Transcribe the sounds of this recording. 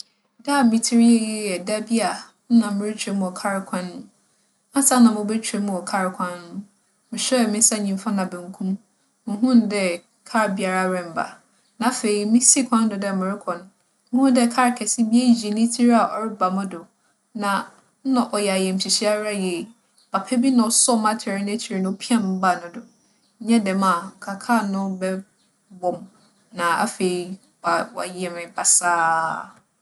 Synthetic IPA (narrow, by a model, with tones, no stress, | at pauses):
da˦˨mɪ̃˨tʰi˦ɾɛ˦jɛ˦jɛ˨da˦bi˦a˨ | n̩˦nã˨m˨mɪ̃˦ɾɪ˦t͡ɕʰᶣɾɛ˦mũ˨ɔ˨kʰa˦ɾkʷʰã˦nːʊ̃˦ | ã˦sa˦nã˨mʊ̃˨bɛ˦t͡ɕʰᶣɾe˨˦mũ˨ɔ˨kʰa˦ɾkʷʰã˦nːʊ̃˦ | mɪ̃˨ɕɛ˦˨mɪ̃˦sa˦ɲĩ˨m˦fa˦nã˨bɛ̃˨ŋ˨kʰũ˦m | m̩˨ɦũ˦ndɛ˦ | kʰa˦ɾbi˨a˨ɾa˦ɾɛ̃˨m̩˨ba̰˨ | nã˨fe˨i˨mĩ˦si˦kʰʷã˦n˦dʊ˨dɛ˦mɪ̃˨ɾɪ˦kʰɔ̃˨n | ũ˦dɛ˦kʰa˦ɾkʰɛ˨sɪ˦bi˦e˦d͡ʑi˨nĩ˦tʰi˦ɾa˨ʔɔ˦ɾɪ˦ba˨mʊ̃˦dʊ˨ | nã˨ | n̩˦nʊ̃˨ʔɔ˨jɛ˨a˨jɛ˨m̩˨t͡ɕʰi˨ɕi˦a˦ɾa˦jɛ˨ | b̥a˨pʰɛ˦bi˦nã˨ɔ˨˦sɔ˦mã˦tʰɪ˨ɾɪ˦ñ˦t͡ɕʰi˨ɾi˨nʊ̃˦pʰi˦ã˦m̩˦ba˨nʊ̃˨dʊ˨ | ɲ̩˦ɲɛ̃˦dɛ̃˨mã˨kʰa˨kʰa˦˨nʊ̃˦bɛ˦ | bɔ˨m | nã˨a̰˦fe˨i˨ | ba˨wa̰˨jɛ˨mɪ̃˨ba˨saː˦